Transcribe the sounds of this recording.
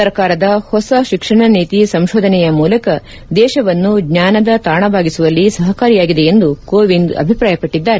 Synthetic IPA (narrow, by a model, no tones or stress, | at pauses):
ɐɾkaːɾɐd̪ɐhɔsɐʃikʂɐɳɐniːt̪isɐmʃoːd̪ʱɐnɛjɐmuːlɐkɐ | d̪ɛːʃɐʋɐnːuɡɲaːnɐd̪ɐt̪aːɳɐbʱaːɡisuʋɐlːisɐɦɐkaːɾijaːɡid̪eend̪ukoːʋiɳɖɐ̰bʱipɾaːjɐpɐʈːid̪ːaːɾe